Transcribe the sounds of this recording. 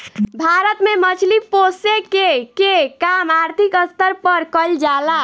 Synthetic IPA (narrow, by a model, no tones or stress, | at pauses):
bʱaɾət̪memət͡ʃʰliposekekekamaɾt̪ʰikəst̪əɾpəɾkəld͡ʒala